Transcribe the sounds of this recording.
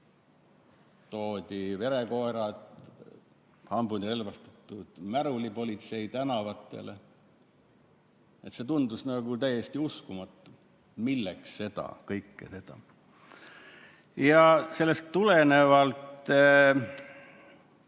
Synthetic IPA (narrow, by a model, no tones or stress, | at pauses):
t̪o̞ːd̪ʲive̞ɾe̞ko̞eɾɑd̪̥ | hɑmbunire̞lvɑst̪ɑt̪ːˑud̪̥mæɾulipo̞lʲit̪se̞jt̪ænɑvɑt̪ːˑe̞̰le | e̞t̪se̞t̪und̪usnɑɡ̥ut̪æjːest̪iuskumɑt̪ːˑu | milːeksːe̞d̪̥ɑ̰kɤjkːese̞d̪̥ɑ̰ | jɑse̞lːest̪ːule̞ne̞vɑlt̪ˑ